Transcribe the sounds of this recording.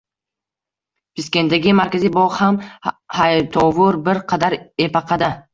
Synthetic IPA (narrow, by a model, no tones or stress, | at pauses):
biskʲe̞nd̪aɡʲɪmaɾkʲazibɒʁhamhajt̪ʰɒvʊɾbɪɾqʰɑd̪aɾe̞pɑqʰɑd̪a